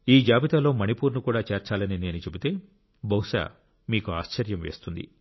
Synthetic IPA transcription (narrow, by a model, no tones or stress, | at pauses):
iːd͡ʒaːbit̪aːlo̞ːmɐnipuːɾnukuːɽaːt͡ʃeːɾt͡ʃaːlɐnine̞ːnut͡ʃe̞but̪e̞ː | bɐwʃa̰ː | miːkuaːʃt͡ʃɐɾjɐmʋe̞ːst̪und̪ḭ